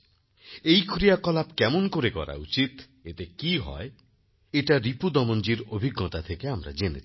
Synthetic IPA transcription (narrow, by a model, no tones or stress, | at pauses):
ejkʰɾijakɔlapkɛmonkoɾekɔ̰ɾa̰ut͡ʃit̪ | et̪ekiɦɔ̰e | eʈaɾipud̪ɔmond͡ʒiɾobʱiɡːɔt̪at̪ʰekeamɾa̰d͡ʒenḛt͡ʃʰi̥